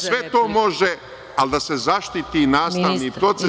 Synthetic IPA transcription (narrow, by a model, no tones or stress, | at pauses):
sʋet̪o̞ːmo̞ʒe | ald̪ase̞zaʃt̪it̪inaːst̪aʋnipɾo̞t̪se